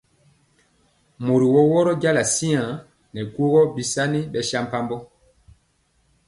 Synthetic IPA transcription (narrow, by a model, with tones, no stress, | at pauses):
mo˨ɾi˨wɔ˦wɔ˦ɾɔ˦ɟa˦la˨si˦ã˨ | nɛ˨ku˦ɣɔ˦bi˨sa˦ni˦ɓɛ˨ʃa˦mpa˦mbɔ˦